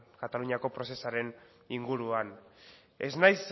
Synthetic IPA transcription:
kat̪aluɲiako̞pɾo̞se̞saɾe̞n | iŋɡuɾuan | e̞̰znajs

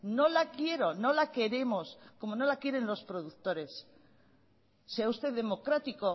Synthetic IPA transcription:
no̞lakje̞ɾo̞no̞lake̞ɾe̞mo̞sko̞mo̞no̞lakje̞ɾe̞nlo̞spɾo̞ð̞ukt̪o̞ɾe̞s | se̞aust̪e̞ððe̞mo̞kɾat̪iko̞

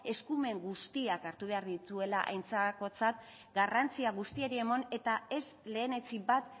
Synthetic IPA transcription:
e̞skume̞ŋɡust̪iakaɾt̪uβ̞e̞aɾðit̪ue̞laʔa̰jnt͡sako̞t͡sat̪ | ɡarant͡siaɣ̞ust̪ieɾie̞mone̞t̪ae̞sle̞ːne̞t͡sibat̪

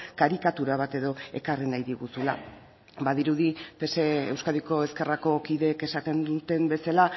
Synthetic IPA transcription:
kaɾikat̪uɾaβat̪e̞ðo̞e̞karenajðiɣusula̰ | baðiɾuðipe̞seḛwskaðiko̞e̞ske̞rako̞kiðe̞ːke̞sat̪end̪ut̪e̞mbe̞sala

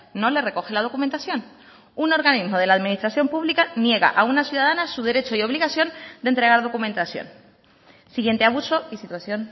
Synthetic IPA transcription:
o̞lere̞ko̞xe̞lað̞o̞kument̪aθjo̞n | uno̞ɾɣanizmo̞ð̞e̞laðmĩnist̪ɾaθjo̞mpuβlikanje̞ɣa̰ʔaunasjuðaðanasuðe̞ɾe̞t͡ʃo̞io̞βliɣasjo̞nd̪e̞nt̪ɾe̞ɣaɾðo̞kumẽ̞nt̪asjo̰n | siɣje̞nt̪eaβ̞uso̞isit̪waθjo̞n

